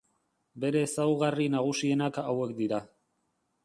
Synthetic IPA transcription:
be̞ɾe̞ːsawɣarinaɣ̞usie̞nakawe̞kd̪iɾa

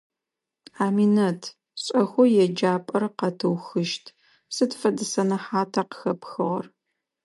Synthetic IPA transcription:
aːminɐtʰ | ɕʼɐxʷɔjɛd͡ʒaːpʼɐrqɐtʰɨwxɨʃtʰ | sɨtfɐdɨsɐnɐħaːtʰaqə̥xɐpʰxɨʁɐr

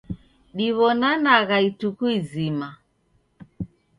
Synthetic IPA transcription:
ɗiβɔnanaɣaitukuizima

